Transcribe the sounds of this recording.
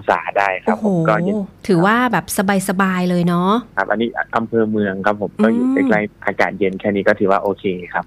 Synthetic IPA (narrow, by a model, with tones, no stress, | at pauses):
sa̰ː˩˦daː˥˩jkʰao˦pʰːo˨o˦˨˦kɔː˥˩˦t̪ʰɯː˩˦waː˥˩bɛː˨˩p̚sa˧baː˧jsa˧baː˧jlɤː˧jnɔ˦˥kʰa˦˩p̚ʔa˧nːiː˦˥ʔʔa˧mpʰɤː˧mɯ˧əŋkʰa˦˥pʰːo˩˦mkɔː˥˩juː˨˩a˧˥˩kla˧˥˩ŋʔaː˧ka̰ː˨˩t̪̚je˧nkʰɛː˥˩niː˦˥kɔː˥˩t̪ʰɯː˩˦waː˥˩ʔoː˧kʰeː˧kʰa˦˥p̚